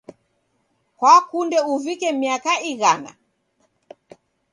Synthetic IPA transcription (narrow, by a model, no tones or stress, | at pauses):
kwakundɛuvikɛmiakaiɣana̰